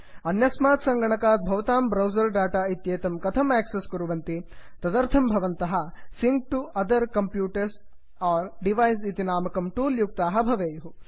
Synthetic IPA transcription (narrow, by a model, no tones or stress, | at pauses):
ɐnjɐsmaːt̪sɐ̃ŋɡɐɳɐkaːt̪̚bʱɐʋɐt̪aːmbɾɐwzɐɾɖaːʈaːit̪jeːt̪ɐmkɐt̪ʰɐmɛːksesɡuɾuʋɐnt̪it̪ɐd̪ɐɾt̪ʰɐmbʱɐʋɐnt̪ɐɦɐ̆siŋk̚ʈuɐd̪ɐɾkɐmpjuːʈɐɾs | ɔːɾɖiʋɐjsit̪inaːmɐkɐmʈuːljuk̚t̪aːɦɐ̆bʱɐʋeːjuɦu